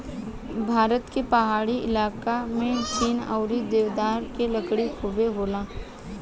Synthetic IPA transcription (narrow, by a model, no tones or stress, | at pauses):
bʱaːɾət̪kepɐɦaːɽiɪ̰laːkamẽt̪iːna̰ʊɾid̪eːʋd̪aːɾkeləkɽikʰʊbeɦoːlaː